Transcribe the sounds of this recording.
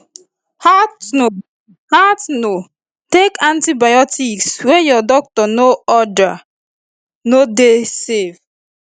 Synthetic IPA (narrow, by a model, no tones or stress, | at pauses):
hao | hatno | tekʰãntibajɔtʰikswɛjɔdɔk̚tɔnoɔda | nodesev